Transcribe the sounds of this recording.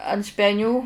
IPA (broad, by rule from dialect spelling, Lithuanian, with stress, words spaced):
ɐnt sʲpʲɛˈnʲuː